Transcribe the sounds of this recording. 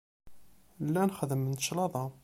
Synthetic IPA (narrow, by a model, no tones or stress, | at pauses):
lːænχðəmənt̪ə̥ʃlɑðˤɑ